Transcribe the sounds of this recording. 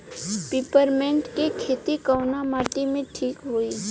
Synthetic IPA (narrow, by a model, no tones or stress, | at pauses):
piːpəɾmɛ̃ɳʈkekʰeːt̪ikəʊnamaːʈ̪imẽʈʰiːkɦui